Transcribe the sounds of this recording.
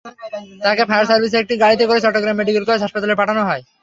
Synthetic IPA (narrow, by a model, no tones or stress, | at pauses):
t̪akepʰajaɾsaɾbʱis̬eek̚ʈiɡaɽit̪ekoɾet͡ɕɔʈːokɾemːeɖikelkoad͡ʑɦaʃpat̪aleɾpaʈʰanoɦɔe